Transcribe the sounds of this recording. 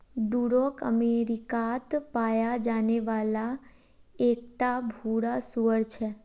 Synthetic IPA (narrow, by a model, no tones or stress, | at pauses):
ɖuɾokə̰meɾikat̪pajad͡ʒaneʋala | ek̚ʈabʱuɽasuəɾt͡ʃʰe